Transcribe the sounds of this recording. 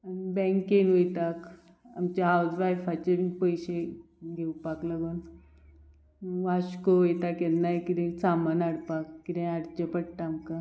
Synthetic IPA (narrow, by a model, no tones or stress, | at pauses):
anibɛ̃ŋkenʋojt̪ak | a̰mt͡ɕaɦawsʋajfat͡ɕepəjɕe | ɡʱewpaklaɡuːn | ʋaɕkoojt̪akennajkid̪ẽt͡samənaɽpakːid̪ẽaɽt͡ɕəpəɽt̪aːmka